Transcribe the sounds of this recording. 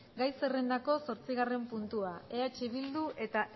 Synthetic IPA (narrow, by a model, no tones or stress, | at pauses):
ɡajse̞re̞nd̪ako̞so̞ɾt͡siɣare̞mpunt̪uae̞at͡ʃiβild̪uʔe̞t̪a